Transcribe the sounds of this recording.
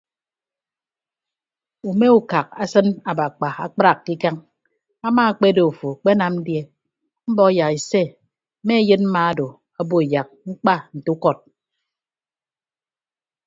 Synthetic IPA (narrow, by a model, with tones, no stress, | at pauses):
u˨me˦u˨ka˨k̚a˦sɨ˦na˨ba˨k͡pa˨a˨k͡pɾa˨kːi˦ka˦ŋ | a˦maː˦a˨k͡pe˦do˨u˨fo˨k͡pe˦na˨mn̩˦dje˦ | m̩˦bɔ˦a˦ja˨ki˨se˦ | me˦jɨ˦t̚m̩˦ma˦a˦do˨ | a˦bo˦e˨ja˨k̚ŋ͡m̩˦k͡pa˦n̩˨tu˦u˦kɔ˦˨t̚